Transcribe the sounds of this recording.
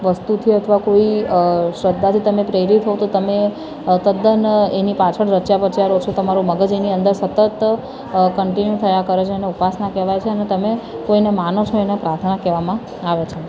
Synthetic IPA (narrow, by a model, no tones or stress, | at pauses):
ʋəst̪ut̪ʰiət̪ʰəʋakoiʃɾəd̪ʱːat̪ʰit̪əmepɾeɾit̪ɦot̪ot̪əme | t̪əd̪ənenipat͡ʃʰəɽɾət͡ʃjapəɾt͡ʃʰiaɾot͡ʃʰot̪əmaɾuməɡəd͡ʒeniənd̪əɾsət̪ət̪ | kəɳʈinjut̪ʰəjakəɾet͡ʃʰeneupasnakɛʋajt͡ʃʰeənet̪əmekoinemanot͡ʃʰoenapɾaɾt̪ʰnakɛʋamã | aʋet͡ʃʰe